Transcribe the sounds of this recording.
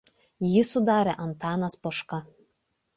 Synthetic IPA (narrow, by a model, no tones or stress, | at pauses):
jɪsʊd̪ɑːɾʲɛʔɐnt̪ɑːnɐspɔʃkɐ